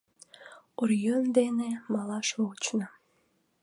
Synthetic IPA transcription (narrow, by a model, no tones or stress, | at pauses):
uɾjønd̪enemɑlɑʃot͡ɕnɑ